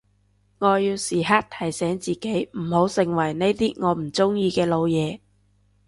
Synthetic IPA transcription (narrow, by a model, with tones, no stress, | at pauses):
ŋɔː˨˧jiː˧wsiː˨ɦaː˥t̚t̪ʰɐ˨˩jsɛː˨˥ŋt͡siː˨ke˨˥jm̩˨˩ho˨˥wsɪ˨˩ŋwɐ˨˩jne˥jt̪iː˥ŋɔː˨˧m̩˨˩t͡sʊ˥ŋjiː˧kɛː˧lo˨˧wjɛː˨˧